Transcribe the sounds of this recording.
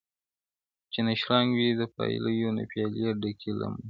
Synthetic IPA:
t͡ʃenaʃɾɑŋɡwid̪əpɑ̰j̰ləjona̰pjɑljeɖakʰila̰mu

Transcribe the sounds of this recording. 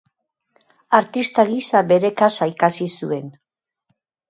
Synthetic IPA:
aɾt̪ist̪aɣisaβe̞ɾe̞kasaikasisue̞n

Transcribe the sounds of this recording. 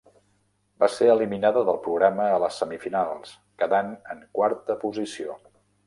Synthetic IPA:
baseəliminaðəðəlˠpɾuɣɾaməːləsːəmifinalˠs | kəðanəŋkwaɾt̪əpuzisio

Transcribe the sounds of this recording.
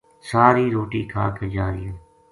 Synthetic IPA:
saːɾiːɾoːʈiːkʰa̰ːkʰəd͡ʒaːɾɪjaː

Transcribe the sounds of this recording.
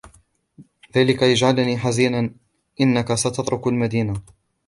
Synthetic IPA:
ðaːlɪkajad͡ʒʕalniːħaziːnan | ʔɪnːakasat̪ɑt̪ˤɾʊkalmad̪iːna

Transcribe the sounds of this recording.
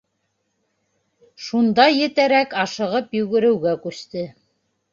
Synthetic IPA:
ʃund̪ɑjɘ̆t̪æɾækɑʃɤ̆ʁɤpjɵ̆ɣɘ̆ɾɘ̆wɡækʉst̪ɘ

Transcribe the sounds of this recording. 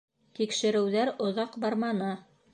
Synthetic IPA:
t̪ikʃɘ̆ɾɘ̆wðæɾŏðɑqbɑɾmɑnɤ

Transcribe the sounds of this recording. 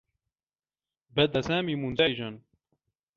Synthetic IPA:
bɛd̪ɐsaːmimunzajʒan

